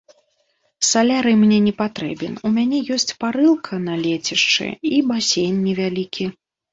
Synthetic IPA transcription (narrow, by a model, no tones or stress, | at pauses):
salʲaɾɨmnʲɛnʲɛpat̪ɾɛbʲɛnumʲanʲɛjɔsʲt͡sʲpaɾɨlˠkʰɐnɐlʲet͡sʲiʂt͡ʂɨ̰ibasʲejnʲːɛvʲalʲikʲi